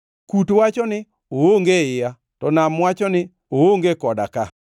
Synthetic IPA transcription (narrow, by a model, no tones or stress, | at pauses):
kutwat͡ʃɔnɪ | ooŋɡeɪja | tɔnamwat͡ʃɔnɪ | ooŋɡekɔda̰ka